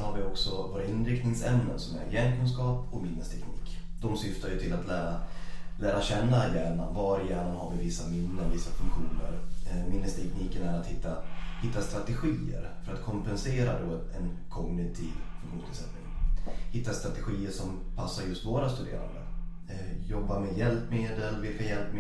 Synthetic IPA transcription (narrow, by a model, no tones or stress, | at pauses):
haɾvɪɔksɔvoːɾaɪnɾɪkt̪nɪŋsɛmnənsɔmæ̰ɾjɛːnkʰɵnskɑːpɔmɪnːəst̪ʰɛkniːkd̪̥ɔmsʏft̪ajɵt̪ʰɪlat̪læːɾalæːɾaɕɛnːajæːɳa̰vaɾjæːɳanhaɾvɪvɪsːamɪnːəɾvɪsːafɵŋkɧuːnə̰ɾmɪnːəst̪ʰɛkniːkənæɾat̪hɪt̪ʰːahɪt̪ːast̪ɾat̪ɛɧiːə̰ɾfœɾat̪kʰɔmpɛnseːɾa̰d̪ɔɛnkʰɔmnɪt̪ʰiːvfɵŋkɧuːnst̪ʰɪlsɛt̪nɪ̰ŋhɪt̪ːast̪ɾat̪ɛɧiːəʂɔmpʰasːaɾjɵst̪voːɾast̪ɵd̪ḛːɾa̰nd̪ə̰ | jɔbːamɛjɛlpmeːd̪əlvɪlkajɛlpm